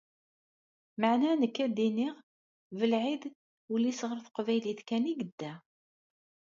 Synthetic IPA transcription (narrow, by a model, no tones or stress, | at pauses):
maʕnænəkːæd̪iniʁ | vəlʕid̪ | ulːisʁəɾθəqvæjliθkæniɡəd̪ːæ